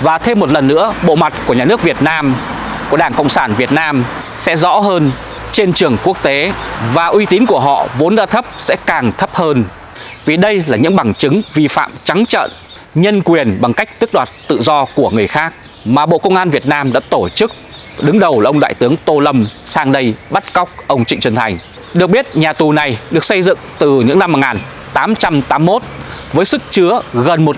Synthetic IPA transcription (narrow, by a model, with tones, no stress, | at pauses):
vaː˨˩t̪ʰe˧mːo˨˩t̚lə˨˩nːɨ̰˧˥əɓo̰˧˨ma˨˩t̚ku˧˩əɲaː˨˩nɨ˦˥ək̚vi˨˩ət̚naː˧mku˧˩əɗaː˧˩ŋkə̰˧˨wŋ͡msaː˧˩nvi˨˩ət̚naː˧m | sɛ̰˧˥zɔ̰˧˥ɦəː˧n | t͡ɕe˧nt͡ɕɨ˨˩əŋku˦˥ək̚t̪e˨˦vaː˨˩ʔwi˧t̪i˨˦nku˧˩əɦɔ̰˧˨vo˨˦nɗaː˧t̪ʰə˦˥p̚sɛ̰˧˥kaː˨˩ŋt̪ʰə˦˥p̚həː˧n | vi˨˩ɗə˧jlaː˨˩ɲɨ̰˧˥ŋɓa˨˩ŋt͡ɕɨ˨˦ŋvi˧fa̰ː˧˨mt͡ɕa˨˦ŋt͡ɕə̰ː˧˨n | ɲə˧nkwi˨˩ənɓa˨˩ŋka˦˥jk̟̚t̪ɨ˦˥k̚ɗwaː˨˩t̚t̪ɨ̰˧˨zɔ˧ku˧˩əŋɨ˨˩əjxaː˦˥k̚ | maː˨˩ɓo̰˧˨kə˧wŋ͡mʔaː˧nvi˨˩ət̚naː˧mɗa̰ː˧˥t̪o˧˩t͡ɕɨ˦˥k̚ | ɗɨ˨˦ŋɗə˨˩wla˨˩ʔə˧wŋ͡mɗa̰ː˧˨jt̪ɨ˨˦əŋt̪o˧lə˧msaː˧ŋɗə˧jɓa˦˥t̚ka˦˥wk͡p̚ʔə˧wŋ͡mt͡ɕḭ̈˧˨ŋ̟t͡ɕwə˨˩nt̪ʰa˨˩jŋ̟ | ɗɨ˨˩ək̚ɓi˦˥ət̚ɲaː˨˩t̪u˨˩na˨˩jɗɨ˨˩ək̚sə˧jzɨ̰˧˨ŋt̪ɨ˨˩ɲɨ̰˧˥ŋna˧mːo˨˩t̚ŋaː˨˩nt̪aː˨˦mt͡ɕa˧mt̪aː˨˦mːo˦˥t̚vəː˨˦jsɨ˦˥k̚t͡ɕɨ˨˦əɣə˨˩nmo˨˩t̚